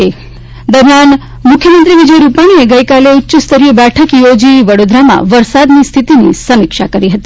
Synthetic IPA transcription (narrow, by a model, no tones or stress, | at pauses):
e | d̪əɾmjan | mʊkʰjəmənt̪ɾiʋid͡ʒəjɾupaɽ̃ieɡəjkaleutːʃəst̪əɾiəbɛʈʰəkjod͡ʒiʋəɽod̪ɾamã̰ʋəɾsad̪nist̪ʰit̪inḭsəmikʃakəɾiɦət̪i